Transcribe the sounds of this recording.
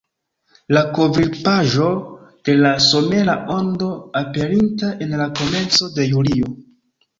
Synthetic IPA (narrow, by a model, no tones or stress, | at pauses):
lako̞vilpaʒo̞d̥e̞laso̞me̞ɾaʔo̞ndo̞ape̞ɾintaʔe̞nlako̞me̞nt͡so̞de̞julio